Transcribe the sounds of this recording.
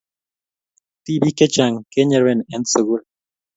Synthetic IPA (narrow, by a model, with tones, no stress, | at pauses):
t̪i˦bi˦ke˦t͡ʃa˨ŋke˦ɲe˨ɾwe˦˨ne˦nsə˨ɣu˦l